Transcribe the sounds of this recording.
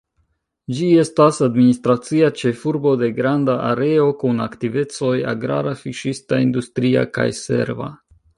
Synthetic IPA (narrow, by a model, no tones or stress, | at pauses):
d͡ʒie̞stasadministɾat͡siat͡ʃe̞fuɾbo̞de̞ɡɾandaʔaɾe̞o̞kunaktive̞t͡so̞ja̰ɡɾa̰ɾafiʃistaindustɾia̰ka̰jse̞̰ɾva̰